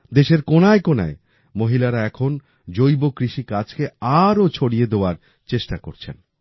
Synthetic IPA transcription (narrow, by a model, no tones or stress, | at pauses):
d̪eʃeɾkonaekona̰e | moɦilaɾaɛkʰon | d͡ʑojbokɾiʃikat͡ɕkeaɾot͡ɕʰoɽijed̪eoaɾ | t͡ɕeʃʈakoɾt͡ɕʰḛn